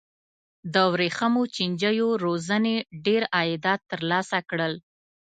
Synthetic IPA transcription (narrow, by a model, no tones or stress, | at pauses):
d̪əwɾexamot͡ʃind͡ʒəjoɾozəneɖeɾɑjɪd̪ɑt̪ːəɾlɑsakɽəl